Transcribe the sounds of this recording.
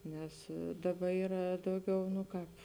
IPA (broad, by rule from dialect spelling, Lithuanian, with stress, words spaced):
ˈnʲɛs ˈdɑːˌbɐ ˈiːrɐ ˈdɐʊˌɡʲɛʊ nʊ ˈkɑːp